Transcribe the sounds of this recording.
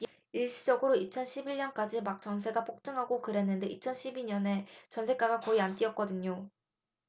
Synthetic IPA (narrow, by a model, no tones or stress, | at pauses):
iɭɕ͈ʰi̥d͡ʑʌɡɯɾoit͡ɕʰʌnɕʰibiɭɲʌnk͈ad͡ʑimak̚t͡ɕ͈ʌŋs̬ʰe̞ɡapʰok̚t͡ɕ͈ɯŋɦaɡokɯɾe̞nːɯnde̞ʔit͡ɕʰʌnɕʰibiɲʌne̞t͡ɕʌns̬ʰe̞k͈aɡakʌiant͈iʌt̚k͈ʌdɯɲo